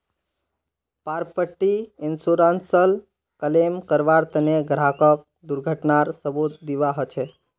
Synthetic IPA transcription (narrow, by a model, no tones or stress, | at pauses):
paɾpəʈːiɪnsuɾansəl | kəlemkəɾʋaɾt̪əneɡɾakək̚ | d̪uɾɡʱəʈnaɾsəbut̪̚d̪iʋaɦət͡ʃʰe